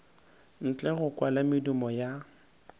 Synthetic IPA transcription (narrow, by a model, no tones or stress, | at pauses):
n̩t͡ɬʼɛɣʊkwalamɪdumɔja